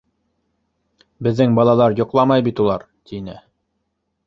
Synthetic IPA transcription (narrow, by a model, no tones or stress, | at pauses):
bɘ̆ðːɘŋbɑlˠɑlˠɑɾjŏqlˠɑmɑjbit̪ulˠɑɾ | t̪ʰinɘ̰